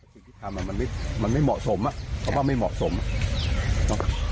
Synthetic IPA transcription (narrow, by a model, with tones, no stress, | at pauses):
a˧˥˩sʰi˥˩t̪ʰa˧mʔaː˨˩ma˨nma˥˩jma˧nma˥˩jmɔ̰ː˨˩so˨˦mʔa˧˩ʔʰa˨˧˥waː˧˥˩ma˥˩jmɔ̰ː˨˩ʔso˨˦mʔa˧˩ | nɔ˨˦